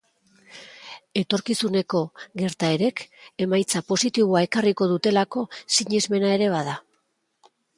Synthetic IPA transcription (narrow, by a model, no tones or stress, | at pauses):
e̞t̪o̞ɾkisune̞ko̞ɣe̞ɾt̪ae̞ɾe̞ke̞majt͡sapo̞sit̪iβoae̞kariko̞ð̞ut̪e̞lako̞siɲizme̞nae̞ɾe̞β̞aða